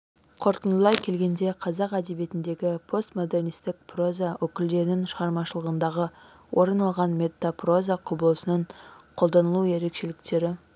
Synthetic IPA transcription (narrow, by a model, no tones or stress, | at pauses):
qʰo̞ɾt̪ənd̪əlˠɑjkʲʰe̞lɡʲe̞nd̪e̞qʰɑzɑqæd̪e̞bje̞t̪ɪnd̪e̞ɡʲɪpʰo̞st̪mo̞d̪e̞rnijst̪ɪk̚pro̞zawʔɵkʲɪld̪e̞ɾɪnɪŋʃəʁɑɾmɑʃəlˠəʁənd̪ɑʁə | wʔo̞ɾənɑlˠʁɑnmʲe̞t̪ːapro̞zaqʰʊbəlˠəsənəɴqʰo̞lˠd̪ɑnəlˠue̞ɾe̞kʃe̞lɪk̚t̪e̞ɾɪ